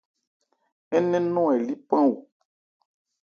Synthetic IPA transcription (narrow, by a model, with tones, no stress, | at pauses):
ɛ˦nɛ̃˦nɔ̃˦ɛ˨li˦pã˦wo˨